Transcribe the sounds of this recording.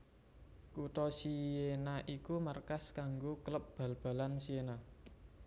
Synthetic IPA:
kuʈɔsienaʔikumarkaskaŋɡokləp̚b̥a̤lb̥a̤lansiena

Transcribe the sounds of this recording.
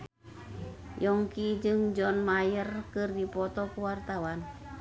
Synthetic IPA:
jɔŋkid͡ʒɨŋd͡ʒɔnmajərkɨrdipɔt̪ɔkuwart̪awan

